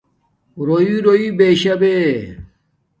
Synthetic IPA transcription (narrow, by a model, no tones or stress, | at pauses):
ɾoiɾoibeɕɐbe